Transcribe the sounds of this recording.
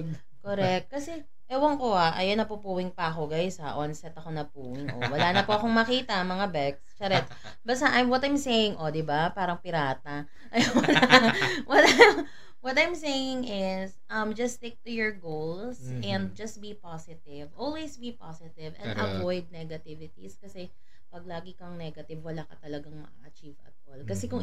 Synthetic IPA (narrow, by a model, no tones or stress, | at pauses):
koɾɛk̚t̪̚kɐsɛ | ʔɛwɐŋkoaʔɐ̰jonɐpupuːwɪŋpɐʔɐko̞ɡajsaʔonsɛt̪ɐko̞nɐpuːwɪŋʔo̰wɐlaːnɐpoʔɐkoŋmɐkiːt̪ɐmɐŋabɛk̚st͡ʃɐɾɛt̪ | bɐst̪ɐʔɐjmwɔt̪ɐjmsejɪŋʔod̪ɪbapaːɾɐŋpɪɾaːt̪ɐ | ʔɐjonwɐt̪a | wɔt̪ɐjmsejɪŋɪsʔɐmd͡ʒɐst̪ɪk̚t̪ʊjɔɹɡowlsʔɛnd̪̚d͡ʒɐst̪̚bipasɪt̪ɪvʔɔlwesbipasɪt̪ɪvɛ̰̃nd̪ʔɐvɔjd̪̚nɛɡɐt̪ɪvɪt̪ḭskɐsɛ | pɐɡ̚laːɡɪkɐŋnɛɡɐt̪ɪvwɐlaːkɐt̪ɐlɐɡɐŋmɐ̰a̰ʔɐt͡ʃivɐ̰t̪̚ʔolkɐsɛkʊŋ